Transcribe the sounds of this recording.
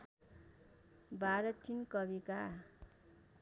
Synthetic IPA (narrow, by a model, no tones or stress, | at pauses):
baɾʌt̪inkʌbika